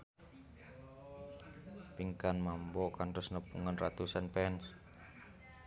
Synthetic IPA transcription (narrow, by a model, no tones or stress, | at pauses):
piŋkanmambɔkantʊsnəpṵŋanrat̪usanpɛns